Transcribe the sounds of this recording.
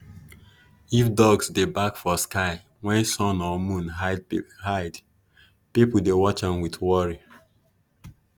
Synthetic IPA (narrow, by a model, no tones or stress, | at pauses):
ifdɔɡsdebakfɔskaɪ | wɛ̃nsɔ̃nɔmũnɦahaɪd | pipl̩dewɔt͡ʃãnwiθwɔɹi